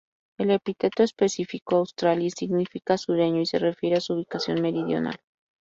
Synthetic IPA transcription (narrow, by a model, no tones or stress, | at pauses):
e̞le̞pit̪e̞t̪oespe̞sifikoawst̪ɾaljisiɣnifikasuɾeɲoise̞re̞fje̞ɾeasuuβikasjo̞̰nme̞ɾiðjo̞̰na̰l